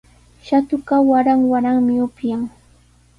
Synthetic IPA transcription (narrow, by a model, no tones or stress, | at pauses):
ʃat̪ʊkawaɾaŋwaɾaŋmɪʊpjaŋ